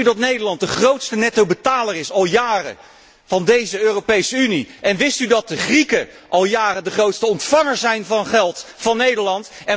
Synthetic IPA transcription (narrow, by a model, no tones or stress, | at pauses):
ydɑtnejdəɹlɑnt̚dəχrowtstənɛtowbətaːlərɪsɑlˠjaːrə̰ | v̥ɑndejzəøːropejsəyniʔɛnʋɪstydɑt̚dəχrikə | ʔɑlˠjaːrədəχrowtstəɔntfɑŋəɹzɛjnvɑnχɛlˠtfɑnːejdəɹlɑntɛ